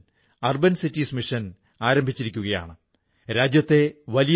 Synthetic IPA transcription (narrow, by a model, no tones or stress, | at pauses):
ɐrbɐnsitːismiʂɐn | aːɾɐmbʱit͡ɕːiɾikʲːuɣɐja̰ːɳɨ | ɾaːd͡ʑjɐt̪ːe̞ʋɐlij